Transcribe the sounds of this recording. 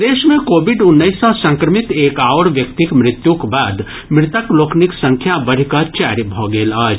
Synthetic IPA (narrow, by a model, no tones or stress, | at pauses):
d̪eːʃmẽkoːbɪɖʊnːəɪsɔsə̃ŋkɾəmɪt̪eːkaːʋɽʋjəkt̪ikmɾɪt̪jũkbaːd̪ | mɾɪt̪əkloːknɪksə̃ŋkʰjabəɽ̤ikət͡ʃaːɾibʱoɡeːlaːd͡ʒ